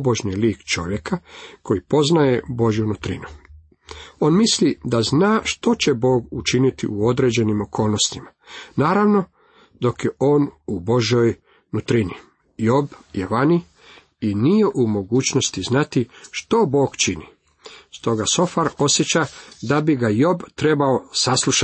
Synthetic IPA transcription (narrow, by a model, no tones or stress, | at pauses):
boʒɲiliːkt͡ʃo̞̰ʋje̞kako̞jipo̞znaje̞bo̞ʒjunut̪ɾḭnu | o̞ːnmislid̪aznaːʃt̪o̞t͡ɕe̞bo̞ːɡut͡ʃinit̪ḭʔuo̞d̪ɾe̞d͡ʑe̞nimo̞kʰo̞ːlˠno̞st̪imanaːɾaʋno̞ | d̪o̞kjeʔo̞ːnubo̞ʒjoj | nut̪ɾini | jo̞bjeʋani | inije̞ʔumo̞ɡuːt͡ɕno̞st̪iznat̪iʃt̪o̞bo̞ːɡt͡ʃini | st̪o̞ɡaso̞faɾo̞sjet͡ɕad̪abiɡajo̞bt̪ɾe̞baosaslˠuʃa